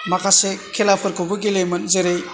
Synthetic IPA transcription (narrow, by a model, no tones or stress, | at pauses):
makʰasekʰelapʰɯɾkʰobɯɡilemɐnzeɾej